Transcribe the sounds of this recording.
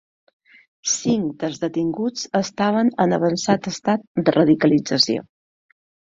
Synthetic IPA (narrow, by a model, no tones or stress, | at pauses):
siŋd̪əlzðət̪iŋɡut͡səst̪aβ̞ənənəβ̞ənsat̪əst̪at̪̚d̪ərəðikəlid͡zəsio̰